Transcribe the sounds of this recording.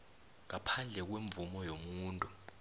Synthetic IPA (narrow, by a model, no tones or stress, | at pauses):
ŋapʰand͡ɮʱɛk̬weɱb̪vumɔjomuːntʼu